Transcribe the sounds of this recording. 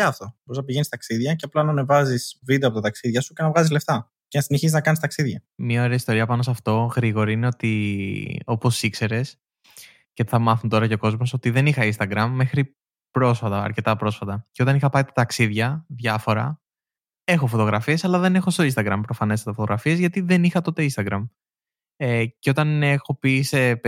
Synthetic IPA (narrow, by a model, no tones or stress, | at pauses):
ɐɐft̪o̞boɾiznɐpiʝenist̪ɐksiðʝɐcɐplɐnɐnevɐzisvid̪eɐpot̪ɐt̪ɐksiðʝɐsuce̞nɐvɣɐzizle̞ft̪ɐ | cenɐsineçisiznɐkɐnist̪ɐksiðʝɐmɲɐo̞ɾeɐist̪o̞ɾiɐpɐnosɐft̪o̞ɣɾiɣo̞ɾiine̞o̞t̪i | o̞po̞sikse̞ɾe̞s | ceθɐmɐθunt̪o̞ɾɐceoko̞zmo̞so̞t̪iðe̞nixɐinst̪ɐɡɾɐmːe̞xɾi | pɾo̞sfɐt̪ɐɐ̰ɾce̞t̪ɐpɾo̞sfɐt̪ɐceo̞t̪ɐnixɐpɐit̪ɐ̥t̪ɐksiðʝɐðʝɐfo̞ɾɐ | e̞xo̞fo̞t̪o̞ɣɾɐfie̞sɐlɐðe̞ne̞xo̞st̪o̞inst̪ɐɡɾɐmpɾo̞fɐne̞st̪ɐfot̪oɣɾɐfiezʝɐt̪iðe̞nixɐt̪o̞t̪e̞inst̪ɐɡɾɐm | eceo̞t̪ɐne̞xo̞pise